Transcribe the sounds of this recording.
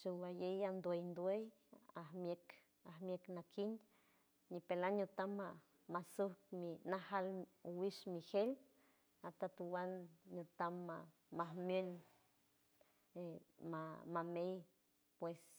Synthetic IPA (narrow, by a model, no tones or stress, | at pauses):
t͡ʃuwajejand̪oejnd̪oej | ahmek | ahmjeknakʰin | nipelanɲot̪ama | masuhkminahalwiʃmihel | at̪at̪uwanɲot̪amːaː | ahmjol | emamamej | pwes